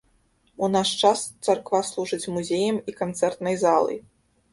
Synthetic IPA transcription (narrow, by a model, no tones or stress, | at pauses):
unaʂt͡ʂast̪sarkvaslˠuʐɨt͡sʲmuzʲejɐmikant̪sɛrt̪nɐjzalˠɨ̰j